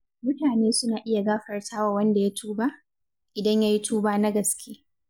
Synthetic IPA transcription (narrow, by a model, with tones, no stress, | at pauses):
mʊ˦taː˨neː˦sʊ˦naː˨ʔɪ˦ja˨ɡaː˦ɸɐ˨rtʰaː˦wa˨wɐ˦nda˨ja˦tʰuː˦ba˦ʔ | ʔɪ˨dɐ˦ɲja˦ji˦tʰuː˦baː˦na˦ɡɐ˨skʲʰeː˦